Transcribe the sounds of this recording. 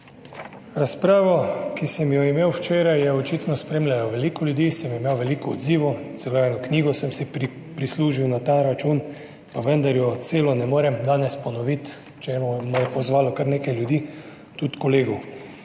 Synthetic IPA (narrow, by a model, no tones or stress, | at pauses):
ɾaspɾaːʋɔkisəmjɔimeːwwt͡ʃeːɾajɛɔt͡ʃiːt̪nɔspɾeːmlʲjalɔʋɛlikɔlʲjud̪iːsəmimeːwʋɛliːkɔ̰ːd̪ziːʋɔt̪sɛloːjɛnɔkniːɡɔsəmsi | pɾisluːʒiwnat̪aɾat͡ʃuːn | paʋənd̪aɾjɔt̪seːlɔnɛmoːɾɛmd̪aːnɛspɔnɔʋit̪ | t͡ʃemɔmɔjɛpɔzʋaːlɔkəɾneːkajljud̪iː | t̪ut̪kɔleːɡɔw